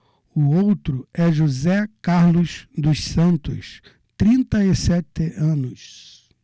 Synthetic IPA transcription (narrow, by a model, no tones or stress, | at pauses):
ʊowt̪ɾʊɛʒuzɛkaɾlʊzd̪ʊssɐ̃nt̪ʊ̰s | t̪ɾĩnt̪ɐisɛt̪ɪʔɐ̃nʊs